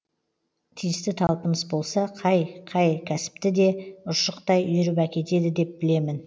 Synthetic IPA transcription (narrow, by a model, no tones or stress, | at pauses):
t̪ʰijɪst̪ɪt̪ʰɑlˠpəməzbo̞lˠsɑqʰɑjqʰɑjkʲʰæsɪ̥pt̪ɪd̪e̞ʊʃəqt̪ɑjʏjʏɾɪpækʲe̞t̪e̞d̪ɪd̪e̞p̚b̥ɪle̞mɪn